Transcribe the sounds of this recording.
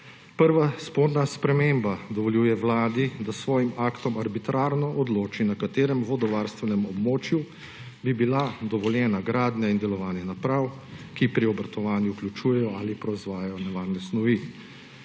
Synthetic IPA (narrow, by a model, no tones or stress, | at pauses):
pəɾʋaspoɾnaspɾɛmembad̪ɔʋɔljuːjɛwlaːd̪id̪asʋɔːjimaːkt̪ɔmaɾbit̪ɾaːɾnɔʔɔd̪loːt͡ʃinakat̪eːɾɛmʋɔd̪ɔʋaːɾst̪ʋɛnɛmɔbmoːt͡ʃju | bibilad̪ɔʋɔljɛːnaɡɾaːd̪njaind̪ɛlɔʋaːnjɛnapɾaw | kipɾiɔbɾat̪ɔʋaːnjuuklʲjut͡ʃuːjɛjɔalipɾɔzʋaːjajɔnɛʋaːɾnɛsnɔʋi